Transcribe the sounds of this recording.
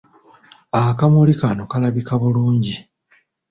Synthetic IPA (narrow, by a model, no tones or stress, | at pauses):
akamulikano̞kalaβikaβuluːɲɟi